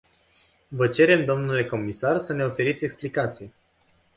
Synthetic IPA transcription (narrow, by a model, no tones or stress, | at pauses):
vət͡ʃe̞ɾe̞md̪o̞mnule̞ko̞misarsəne̞o̞fe̞ɾit̪sʲe̞ksplikat̪sije